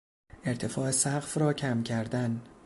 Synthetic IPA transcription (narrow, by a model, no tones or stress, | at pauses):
ʔe̞ɾt̪ʰe̞fɒːesæɣfrɒːcʰæmcʲʰæɾd̪æn